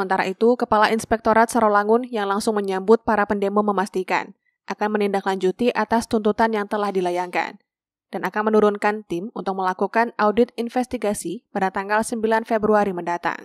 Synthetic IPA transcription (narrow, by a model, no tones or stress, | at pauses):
səmənt̪aɾa̰ʔit̪ukəpalaʔinspɛk̚t̪oɾat̪̚saɾolaŋʊnjaŋlaŋsʊŋməɲambʊt̪̚paɾapəndemoməmast̪ika̰n | ʔakanmənindaklaɲd͡ʒut̪iʔat̪ast̪unt̪ut̪anjaŋt̪əlahdilajaŋka̰n | d̥anʔakanmənuɾʊnkant̪ɪmunt̪ʊk̚məlakukanawdɪt̪̚infɛst̪iɡasipadat̪aŋɡalsəmbilanfebɾuaɾiməndat̪a̰ŋ